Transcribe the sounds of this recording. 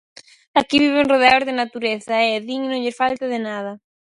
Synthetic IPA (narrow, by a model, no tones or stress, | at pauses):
akiβiβ̞eŋroð̞eozðenat̪uɾeθaeeðiɲnõŋʎefalt̪aðenað̞a